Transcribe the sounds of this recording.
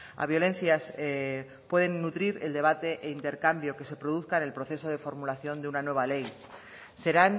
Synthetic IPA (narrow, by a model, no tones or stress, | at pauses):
a̰β̞jo̞le̞nθjase | pwe̞ð̞e̞nːut̪ɾiɾeld̪e̞β̞at̪e̞ʔeint̪e̞ɾkambjo̞ke̞se̞pɾo̞ð̞uθkaenelpɾo̞θe̞so̞ð̞e̞fo̞ɾmulaθjo̞nd̪eunanwe̞β̞ale̞j | se̞ɾan